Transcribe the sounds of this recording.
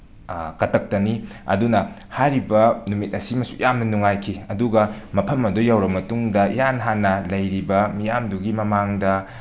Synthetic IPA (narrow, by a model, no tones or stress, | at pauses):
kɐtʰɐk̚tɐniɐ̰dunɐ | hajɾibɐnumit̚ɐsimɐsu̥̰jʔamnɐnuŋajkʰiɐduɡɐmɐpʰɐmɐdujawɾɐmːɐtuŋdɐjanɦanːɐlɐjɾibɐmijamduɡimɐmaŋdɐ